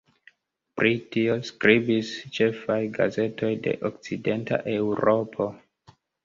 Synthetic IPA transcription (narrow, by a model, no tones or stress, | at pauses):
pɾʔitio̞skɾibist͡ʃe̞fajɡa̰ze̞to̞jde̞̰ʔok̚t͡side̞nta̰ʔeuɾo̞pʰo̞